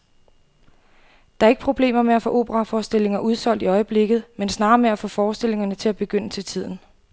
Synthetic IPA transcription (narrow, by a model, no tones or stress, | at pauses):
d̥ɑ̈ɐeɡ̥ə̥pʰʁo̝b̥le̝̰ːmɐmeæfɔ̰ʔo̝̰ːb̥əʁɑ̈fɒːsd̥e̝l̰e̝ŋɐʔuð̞ˠsɒ̽l̰d̥iɒ̽ɪəb̥le̝ɡ̥ð̩ˠmensnɑ̈ːmeæfɔ̽ːfɒːsd̥e̝le̝ŋɐnət͡sʰe̝æb̥e̝ɡ̥øn̰ət͡sʰe̝lt͡sʰið̞̰ˠn̩